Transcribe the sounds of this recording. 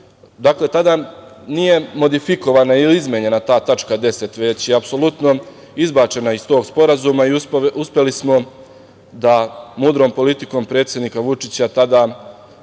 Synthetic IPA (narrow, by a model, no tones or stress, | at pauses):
d̪akle̞t̪ad̪anije̞mo̞d̪ifiko̞ʋanailiizmʲeɲe̞nat̪aːt̪at͡ʃkad̪e̞se̞t̪ʋe̞t͡ɕjeapso̞lˠut̪no̞ | izbaːt͡ʃe̞naist̪oːɡspo̞ɾazumaiuspʲje̞lismo̞ | d̪amuːd̪ɾo̞ːmpo̞lit̪iko̞mpɾe̞ːt̪sjed̪nikaʋut͡ʃit͡ɕat̪ad̪a